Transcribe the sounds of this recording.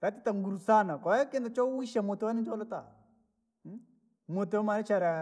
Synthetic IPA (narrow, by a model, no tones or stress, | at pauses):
ɾatɪtaŋɡuɾusanakɔɛkɪndat͡ʃɔwiʃamotewanɪd͡ʒɔlʊta | motemaɾɪt͡ʃaɾa